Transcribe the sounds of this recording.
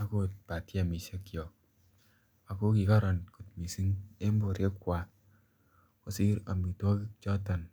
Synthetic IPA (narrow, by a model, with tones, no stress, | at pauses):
a˨˦ko˦t̚pa˨tja˨mi˨se˦kjɔ˨ | a˨ko˦ki˨ka˦ɾɔ˨nku˨t̚mi˨si˦ŋe˦mbo˨ɾe˦kːwa˨ | ko˨si˦ɾa̰˨mi˨tɔ˦ki˦kt͡ʃɔ˦ta˨n